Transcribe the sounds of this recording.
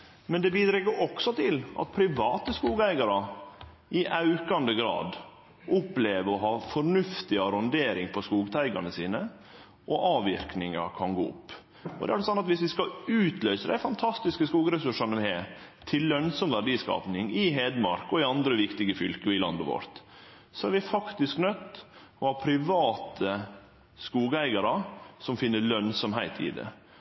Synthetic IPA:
mɛnd̪ɛbiːd̪ɾɛɡːəɾʔɔksɔt̪ʰɪlʔɑ̰t̪̚pʰɾɪʋɑːt̪əskuːɡæɪɡɑɾə | ɪʔɑʉkɑnd̪əɡɾɑ̰ːd̪ | ʔʊpːleːʋəɔɦɑːfɔɾnʉft̪ɪɑɾɔnd̪eːɾɪŋpʰɔskuːɡt̪ʰæɪɡɑnəsiːnə | ʔɔʔɑːʋɪɾknɪŋɑkʰɑnɡo̰ːʊ̰pː | ʔɔd̪ɛ̰æɾɖɛsɑnːɑt̪ʋɪsʋɪskɑʉːt̪ʰlœʏsəd̪æ̰ɪfɑnt̪ʰɑst̪ɪskəskuːɡɾɛsʉʂɑnəʋɪhe | t̪ʰɪllœnsɔmʋæɖiːskɑ̰ːpnɪŋɪɦeːd̪mɑɾkɔɪɑnd̪ɾəʋɪkt̪ɪɡəfʏlkəɪlɑ̰nd̪əʋo̰ɾt̪ | sɔæɾʋɪfɑkt̪ɪsknœt̪ː | ɔhɑːpʰɾɪʋɑːt̪ʰə | skuːɡæɪɡɑɾəsɔmfɪnːəɭœnsɔmɦæɪt̪ʰɪ̰d̪ɛ̰

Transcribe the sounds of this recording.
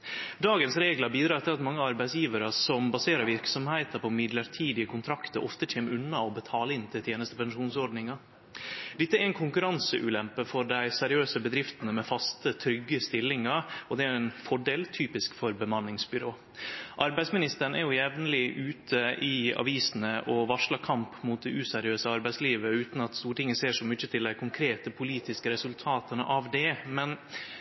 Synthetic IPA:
d̪ɑːɡənsɾeːɡlɑbiːd̪ɾɑɾɛt̪ːəɾɑt̪mɑŋːəɑɾbæɪsjiːʋəɾəsɔmbɑseːɾəɾʋɪɾksɔmhæɪt̪əɾpʰɔmɪd̪ləɾʈʰiːd̪ɪəkʰʊnt̪ʰɾɑkt̪əɾʔɔ̰ft̪əc͡çʰeːmʉnːɑɔbət̪ʰɑːləɪnt̪ʰɪt̪ʰjeːnəst̪əpʰɛnʂuːnsɔɖnɪŋɑ | d̪ɪt̪ːəɛɾæɪnkʰʊŋkʉɾɑnsəʔʉ̰ːlɛmpəfɔɖæɪsɛɾɪøːsəbəd̪ɾɪft̪ənəmɛfɑst̪ət̪ʰɾʏɡːəst̪ɪlːɪŋɑɾɔd̪ɛæjʊɛnfɔɖeːlt̪ʰyːpɪskfɔɾbəmɑnːɪŋsbʏɾoː | ʔɑɾbæɪsmɪnɪst̪əɳ̩æ̰ɾjʊjɛʋnəlɪʔʉːt̪ʰəʔɪɑ̰ʋiːsnəʔɔʋɑʂɭɑkʰɑmpmʊːt̪̚d̪ɛʔʉːsɛɾɪøːsəɑɾbæɪsliːʋəʉːt̪n̩ɑt̪st̪uːɾʈɪŋːəseːʂɔmʏçət̪ʰɪld̪æɪkʰʊŋkʰɾeːt̪əpʰʊliːt̪ɪskəɾɛsʉlt̪ʰɑːt̪ənə̰ʔɑʋd̪ɛmɛn

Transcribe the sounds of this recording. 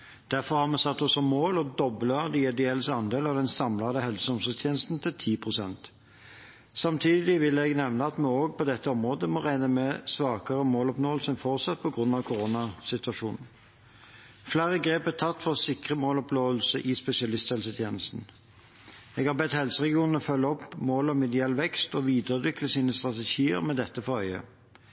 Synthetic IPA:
d̪̥æʁfɔʁhɑʁmɛsɑt̪ːɔsɔmoːlɔd̪ɔbləd̪ɪɛd̪ɪɛlːəsəɑnd̪eːlɑʋd̪ɛnsɑmlɑd̪əhɛlsəɔmsət̪ʰjeːnəst̪n̩t̪ʰɪlt̪ʰiːpʰʁʊsɛnt̪ | sɑmt̪ʰiːd̪ɪlɪʋɪlɛɡnɛʋnəɑt̪mɛoːɡpʰɔd̪ɛt̪ːəɔmʁoːd̪əmɔʁæɪnəmɛsʋɑːkəʁəmoːlɔpnoːəlsənfɔʁt̪sɑt̪̚pʰɔɡʁʉnːɑʋkʰʊʁoːnɑsɪt̪ʉɑʃuːnn̩ | flæːʁəɡʁeːpæt̪ʰɑt̪ːfɔʁsɪkʁəmoːlɔploːʋəlsəʔɪspɛsɪɑlɪst̪hɛlsət̪ʰjeːnəst̪n̩ | ɛɡhɑbɛt̪hɛlsəʁɛɡɪuːnn̩ɔfœlːəɔpːmoːlɔmɛd̪ɪɛlːʋɛkst̪ɔʋiːd̪əʁʉːd̪ʋɪkləsiːnəst̪ʁɑt̪ɛʃiːə̰ʁmɛd̪ɛt̪ːəfɔœʏə̰

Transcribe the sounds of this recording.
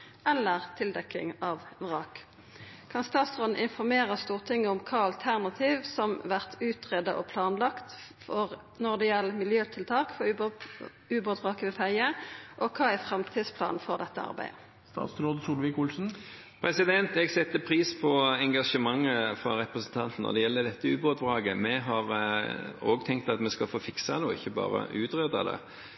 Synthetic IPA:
ʔɛlːəʁt̪ʰɪld̪ɛkɪ̰ŋɑʋʁɑːk | kʰɑnst̪ɑːt̪sʁoːd̪n̩ʔɪnfɔʁmeːʁəst̪uːʁt̪ʰɪŋːəɔmkʰɑːɑlt̪ʰæʁnɑt̪ʰiːʋsɔmʋæʁt̪ʰʉːt̪ʁeːd̪əʔɔpʰlɑːnlɑkt̪fɔʁ | nɔʁd̪ɛjɛlːmɪljøːt̪ʰɪlt̪ʰɑːkfɔ | ʉːbot̪ʁɑːkəʋɪfæɪəʔɔkʰɑːæfʁɑmt̪ʰiːd̪spʰlɑ̰ːnfɔʁd̪ɛt̪ːəɑ̰ʁbæ̰ɪ | st̪ɑ̰ːt̪sɾoːd̪əsuːlʋɪkʊlsn̩ | pʰɾɛsɪd̪ɛnt̪ɛɡsɛt̪ːəpʰɾiːspʰɔɛŋɡɑʂəmɑŋːəfʁɑɾɛpɾəsn̩t̪ʰɑnt̪n̩ɔ̰d̪ɛjɛlːəd̪ɛt̪ːəʉːboːt̪ʋʁɑːɡəmɛɦɑʁ | oːɡt̪ʰɛŋk̚t̪ɑt̪mɛskɑlfoːfɪksɑd̪ɛɪ̰çːəbɑ̰ːɾə̰ʔʉːt̪ʁeːd̪ɑ̰d̪ɛ̰

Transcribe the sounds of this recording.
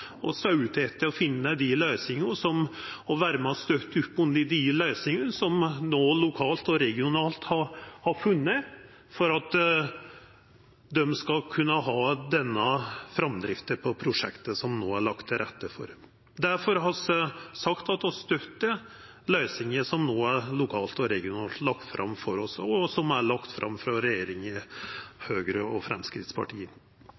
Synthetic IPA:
ɔsɑʉt̪ʰeːt̪ʰːɪɔfɪnːəd̪ɪlœʏsɪŋəsɔmɔʋæːɾəmɔst̪œt̪ːʉpːʉnd̪əd̪ɪlœʏsɪŋənsɔmnoːlʊkʰɑːlt̪ɔɾɛɡɪʊnɑːlt̪hɑɾhɑɾfʉnːə | fɔɾɑt̪ | d̪ɛmskɑkʰʉnːəɦɑːd̪ɛnːəfɾɑmd̪ɾɪft̪əpʰɔpʰɾʊʂɛkt̪əsɔmnoːæɭɑkt̪ʰːɪɾʔɛt̪ːəfɔ̰ɾ | d̪æɾfɔɾɦɑssɑkt̪ɑt̪ːɔst̪œt̪ːə | lœʏsɪŋəsɔmnoːæɾɭʊkʰɑːlt̪ɔɾɛɡɪʊnɑːlt̪lɑkt̪fɾɑ̰mːfɔɾɔsɔsɔmæɭɑkt̪fɾʔɑ̰mːfɾɑɾɛjeːɾɪŋɪhøːɡɾəɔfɾɛ̰mskɾɪt̪spʰɑ̰ʈʰiːən

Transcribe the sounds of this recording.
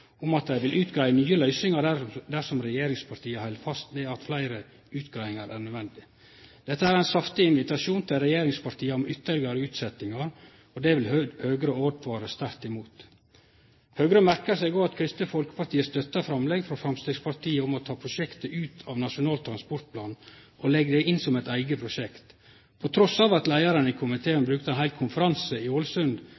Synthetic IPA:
ʊmɑt̪̚d̪æɪʋɪlʉːt̪ɡɾæɪənyːəlœʏsnɪŋɑd̪æɾsɔmɾɛjeːɾɪŋspʰɑɾʈ̪ʰiːəhɛɪlfɑst̪mɛːɑt̪flæɪɾə | ʉːt̪ɡɾæɪɪŋɑɾʔæːɾnœd̪ʋɛnd̪ɪ | d̪̥ɛt̪ːəæːɾæɪnsɑft̪ɪɪnʋɪt̪ɑʂuːnt̪ʰɪlɾɛjeːɾɪŋspɑɾʈ̪ʰiːəɔmʏt̪ːəɭɪɡɑɾəʉːt̪sɛt̪ɪŋɑɾ | ɔd̪ɛʋɪlhøːɡɾəoːʋt̪ʋɑːɾəst̪æɾt̪ɪmuːt̪ | høːɡɾəmæɾkəsæɪɡoːɑt̪kʰɾɪst̪əfɔlkə̥pɑʈiːəst̪œt̪ːəfɾɑmlɛɡfɾɔfɾɑmst̪eːɡspʰɑɾʈ̪ʰiːəɔmɔt̪ʰɑːpʰɾʊʂɛkt̪əʔʉːt̪ʰɑʋnɑʂʊnɑːlt̪ʰːɾɑnspɔɾʈ̪̚pʰlɑːn | ɔlɛɡəd̪ɛʔɪnsɔmɛt̪æɪɡəpʰɾʊʂɛkt̪ | pʰɔt̪ʰɾɔsɑːʋɑt̪læɪɑɾənəɪkʰʊmɪt̪ʰeːənbɾʉːk̚t̪əæɛnhæɪlkʰʊnfəɾɑnsəɪulsʉnd̪

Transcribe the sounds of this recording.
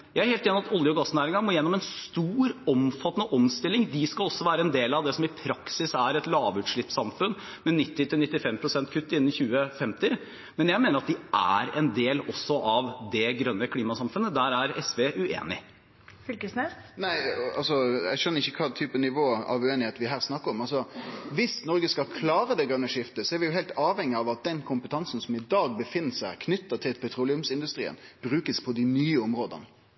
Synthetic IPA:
jæɪæɾheːlt̪eːnɪmɑt̪ɔljəɡɑsːnæːɾɪŋɑmoːjɛnːɔmɛnst̪uːɾɔmfɑt̪ːənəʔɔmst̪ɪlːɪŋd̪ɪskɑlɔsːɔʋæːɾəɛnd̪eːlɑʋd̪ɛsɔmɪpʰɾɑksɪsæɾɛt̪lɑːʋʉːt̪ʂɭɪpsɑmfʉn | mɛnɪt̪ːɪt̪ɪlnɪt̪ːɪfɛmpʰɾʊsɛnt̪kʰʉt̪ːɪnːn̩çʉːəfɛmt̪ɪ | mɛnjæɪmeːnəɾɑt̪̚d̪ɪʔæ̰ɾɛ̰nd̪eːlɔsːɔʔɑʋd̪ɛɡɾœnːəkʰliːmɑsɑmfʉnːəd̪æɾæɾɛsʋeːʔʉḛːnɪ̰ | fʏlkəsnɛnæɪɑ̰lsɔɛ̰ɡʂœnːəɾɪçːəkʰɑːt̪ʰyːpənɪʋoːɑ̰ʋʉeːnɪheːt̪ʋɪɦæːʁsnɑkːəɾɔmɑlsɔʋɪsnɔɾɡəskɑkʰlɑːɾəd̪ɛɡɾœnːəʂɪft̪əsɔæɾʋɪjʊɦɛɪlt̪ɑːʋhɛŋːɪɑʋɑt̪̚d̪ɛnkʰʊmpət̪ʰɑnsənsɔmɪd̪ɑːɡ̚bəfɪnːəsæɪkʰnʏt̪ːət̪ʰɪlpʰɛt̪ʰɾuːlɪʉmsɪnd̪ʉst̪ɾḭːə̰nb̥ɾʉːkəspʰɔd̪ɪnyːəɔmɾoːd̪ə̰n

